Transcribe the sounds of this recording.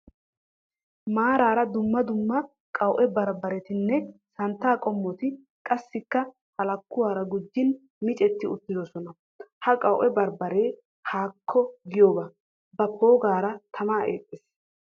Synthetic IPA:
maːɾaːɾɐd̪ʊmːɐd̪ʊmːɐ | kʼɐwʔɛbɐɾbɐɾɛt̪ɪnːɛsɐnt̪ːaːkʼɔmːɔt̪ɪ | kʼɐsːɪkːɐ | hɐlɐkːʊwaːɾɐɡʊd͡ʒːɪn | mɪt͡ʃʼɛt̪ːɪʊt̪ːɪd̪ɔsɔnɐ | hɐkʼɐwʔɛbɐɾbɐɾeː | haːkʰːɔɡɪjoːbɐ | bɐpʰo̞ːɡaːɾɐt̪ʰɐmaːʔḛːtʼːɪs

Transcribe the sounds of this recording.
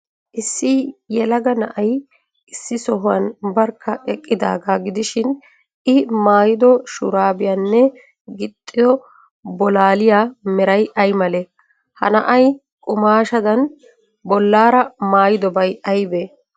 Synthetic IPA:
ʔɪsːijɛlɐɡɐnɐʔɐj | ɪsːɪsɔɦʊwɐ̰nbɐɾkʰːɐʔɛkʼːɪd̪a̰ːɡaɡɪd̪ɪʃɪn | ʔɪmaːjɪd̪ɔʃʊ̰ɾaːbɪjanːɛ | ɡɪt̪ʼːɪd̪ɔ | bɔlaːlɪjaːmɛɾɐjʔɐjmɐlɛ | hɐ̰nɐʔɐj | kʼʊmaːʃɐd̪ɐn | bɔlːaːɾɐmaːjɪd̪ɔbɐjʔɐjbeː

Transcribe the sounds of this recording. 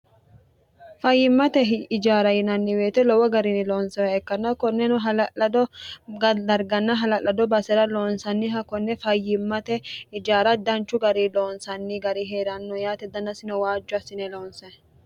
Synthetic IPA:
fɐjːɪmːɐt̪ɛɪd͡ʒaːɾɐjɪnɐnːɪweːt̪ɛlɔwɔɡɐɾinɪloːnsɐwɛkːɐnːɐkɔnːɛnʊɦɐlɐʔɐd̪ɔɡɐd̪ɐɾɡɐnːɐɦɐlɐʔːɐd̪ɔbɐsɛɾɐloːnsɐnːɪɦɐkɔnːɛfɐjːɪmːɐt̪ɛɪd͡ʒaːɾɐd̪ɐnt͡ʃːʊɡɐɾiloːnsɐnːɪɡɐɾiɦeːɾɐnːɔjaːt̪ɛd̪ːɐnːɐsɪnɔwaːd͡ʒːʊɐsːɪnɛloːnsɐn

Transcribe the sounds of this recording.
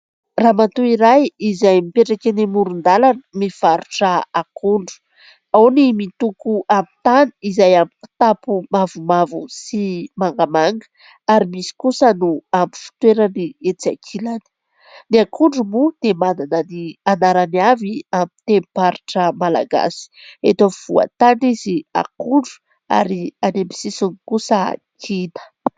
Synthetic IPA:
raːmat̪uiɾajizajmipeʈ͡ʂakʲanimuɾund̪alanəmiv̥aɾuʈ͡ʂəakʰuɳɖ͡ʐu̥ | awnimit̪ukuʔamit̪aniizajamii̥t̪apumavumavusimaŋɡamaŋɡə̥ | aɾimisi̥kusənuamifi̥t̪weɾaniet͡sakʰilani̥ | niakʰuɳɖ͡ʐumud̪̥emanananianaɾaniaviamit̪empaɾiʈ͡ʂəmala̰ɡa̰si̥et̪oiv̥ua̰t̪aɳɖ͡ʐizia̰kuɳɖ͡ʐu̥ | a̰ɾianembisisunikusəa̰kʰinə̥

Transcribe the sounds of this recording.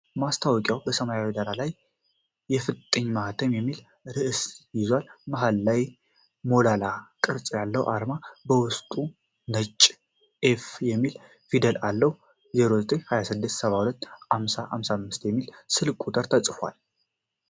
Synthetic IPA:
mast̪ʰawɔkʼjawbəsəmajawid̪aɾalajː | ɛfɨt̪ʼːəɲːmahat̪ʰəmjɛmːil | ɾɨʔɨsjɪzwalmaɦalːaj | mo̞lalakʼɨɾt͡sʼjalːəwʔa̰ɾmabəwʊst̪ʼu | nət͡ʃʼː | ʔefjɛmːil | fid̪əlʔalːəh | zeɾozət̪ʼeɲhajasɨd̪ːɨst̪səβahulət̪ːhamsaha̰msamːɨst̪jɛmːilsɨlkʼut̪ʼəɾt̪ʰət͡sʼfa̰l

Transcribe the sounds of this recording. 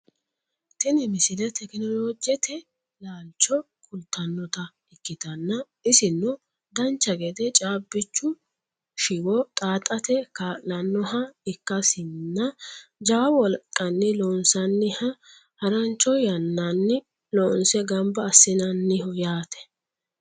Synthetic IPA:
t̪ɪnɪmɪsɪlɛt̪ɛkɪnɔlod͡ʒɛt̪ʰɛ | laːlt͡ʃːɔ | kʰʼʊlt̪ːɐnːɔt̪ɐ | ɪkːɪt̪ɐnːɐ | ɪsɪnːɔ | d̪ɐnt͡ʃːɐɡɛd̪ɛt͡ʃʼaːbːɪt͡ʃːʊ | ʃɪwɔt̪ʼaːt̪ʼɐt̪ɛkalɐnːɔɦɐɪkːɐsɪnːɐd͡ʒɐwɐwɔlkʼːɐnːɪloːnsɐnːɪhɐ | hɐɾɐnt͡ʃːɔjɐnːɐnːɪ | loːnsɛɡɐmbɐːsːɪnɐnːɪɦɔjaːt̪ɛ̥

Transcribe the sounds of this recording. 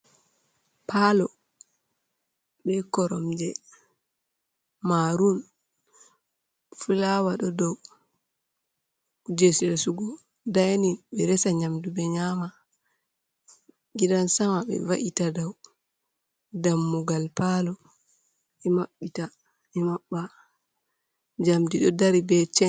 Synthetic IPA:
pʰalɔ | ɓɛkɔɾɔmd͡ʒɛ | maɾun | fulawaɗɔdɔw | d͡ʒesiɾasuɡɔ | dajninbɛɾɛsaɲamdubɛɲama | ɡidansamabɛ̰vaʔitadaw | damːuɡalpalɔ | ɛmaɓːita | ɛmaɓːa | d͡ʒamdiɗɔdaɾibɛt͡ʃɛn

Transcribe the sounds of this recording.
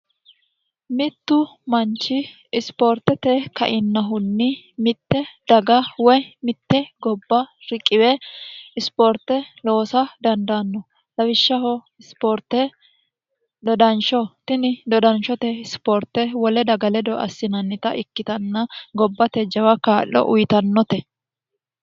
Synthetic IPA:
mɪt̪ːʊmɐnt͡ʃːɪː | spɔːɾt̪ɛt̪ɛkɐ̰ʔɪnːɐɦʊnːɪ | mɪt̪ːɛd̪̥ɐɡɐwɔjmɪt̪ːɛɡɔbːɐɾɪkʼːɪwɛɪspoɾt̪ːɛlo̞ːsɐd̪ɐnd̪anːɔ | lɐwɪʃːɐɦɔ | ɪspoɾt̪ːɛ | d̪ɔd̪ɐnʃɔt̪ɪnɪd̪ɔd̪ɐnʃɔt̪ɛɪspɔːɾt̪ːɛwɔlɛd̪ɐɡɐlɛd̪ɔʔɐ̰sːɪnɐnːɪt̪ɐʔɪkːɪt̪ɐnːɐɡɔbːɐt̪ɛd͡ʒɐwɐkaːʔɔ̰ʔʊjt̪ɐnːɔt̪ɛ

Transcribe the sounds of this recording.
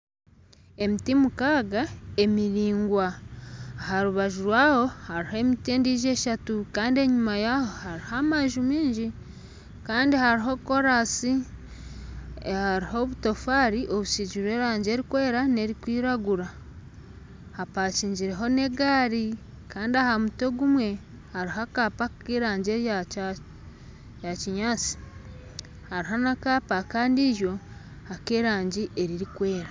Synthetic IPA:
e̞mitimukaːɡae̞miɾiːŋɡwaː | ɦaɾuβaʒuɾwaːho̞haɾihe̞miteːndiːʒe̞ːʃatukaːndie̞ɲumajaho̞haɾihamaʒumiːɲɟi | kaːndihaɾiɦo̞ko̞ɾasi | haɾiɦo̞βuto̞faːɾiʔo̞βusiɟiɾwe̞ːɾaːɲɟe̞ɾikwe̞ːɾane̞ɾikwiːɾaɡuɾa | hapaːciːɲɟiɾe̞ɦo̞ne̞ɡaːɾi | kaːndiahamuto̞ɡumwe̞ | haɾiɦakaːpakeɾaːɲɟeɾa | jaciɲaːt͡si̥ | haɾiɦanakaːpakaːndiːʒo̞ | hakeːɾaːɲɟiʔe̞ɾiɾikwe̞ːɾa

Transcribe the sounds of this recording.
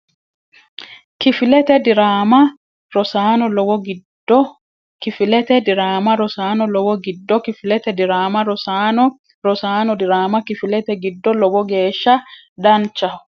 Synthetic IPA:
kifilɛt̪ɛdiɾaːma | ɾɔsaːnɔlɔwɔɡid | ɔ | kifilɛt̪ɛdiɾaːmaɾɔsaːnɔlɔwɔɡidːɔkifilɛt̪ɛdiɾaːmaɾɔsanɔ | ɾɔsaːnɔdiɾaːmakifilɛt̪ɛɡidːɔlɔwɔɡɛːʃa | dant͡ʃa

